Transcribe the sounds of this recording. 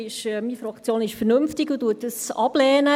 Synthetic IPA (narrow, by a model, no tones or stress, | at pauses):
ɪʃmiːfɾɑkt͡sjoːnɪʃfərnømftɪɡʊduətːəsɑb̥lɛːnə